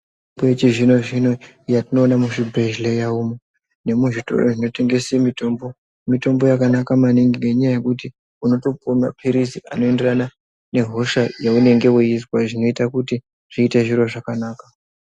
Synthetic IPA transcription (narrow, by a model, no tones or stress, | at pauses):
bojet͡ʃiʐino̞ʐino̞ | jatino̞ːnamuʂibreʒlejaumo | ne̞muʐito̞̰roʐino̞te̞ŋɡe̞simito̞mbo | mito̞mbo̞jakanakamaneŋɡiŋeɲajaje̞kuti | uno̞to̞poma̰pʰiɾisiʔa̰no̞e̞nde̞rana | ne̞ɦoʃajaune̞ŋɡe̞uiswaʐino̞itakuti | ʐ̥iːte̞ʐiɾo̞ʐakanaːka